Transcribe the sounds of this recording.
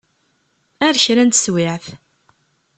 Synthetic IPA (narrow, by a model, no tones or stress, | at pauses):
æɾçɾænt̪swɪʕθ